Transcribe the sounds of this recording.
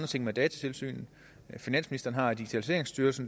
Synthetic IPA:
d̥ɐt͡sʰe̝ŋ̰med̥ɛːt͡sʰæ̥t͡sʰe̝lsy̰ːnn̩ | finæn̰sminisd̥ɐːn̩ɦɑ̈d̥iɡ̥i̥t͡sʰælise̝̰ːɐe̝ŋsd̥yɐlsn̩

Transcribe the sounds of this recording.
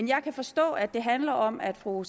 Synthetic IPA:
njɑ̈ɪkʰæfɒ̽sd̥ɔ̰̽ːædd̥e̝ɦænlɐʔɒ̽mæd̥fʁus

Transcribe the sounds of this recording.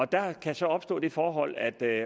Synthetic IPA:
ɒ̽d̥ɑ̈kʰæsɒ̽ɒ̽b̥sd̥ɔ̰ːd̥e̝fɒːɦɒ̽l̰æd̥

